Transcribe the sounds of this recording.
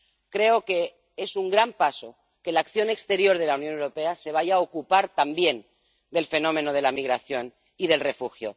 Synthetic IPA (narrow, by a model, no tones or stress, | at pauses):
kɾe̞oke̞ | esuŋɡɾampaso̞ | ke̞lakθjo̞nekst̪e̞ɾjo̞ɾð̞e̞launjo̞newɾo̞pe̞ase̞β̞aʝaokupaɾt̪ambje̞n | d̪e̞lfe̞no̞mẽ̞noð̞e̞lamiɣɾaθjo̞n | iðe̞lre̞fuxjo̰